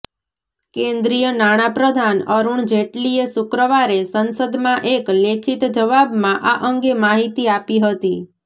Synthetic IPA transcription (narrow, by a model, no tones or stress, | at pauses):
kẽnd̪ɾijənaɽ̃apɾəd̪ʱanəɾuɳd͡ʒeʈliesʊkɾəʋaɾesənsəd̪mãʔeklekʰit̪d͡ʒəʋabmãʔaʔəŋɡemaɦit̪iapiɦət̪i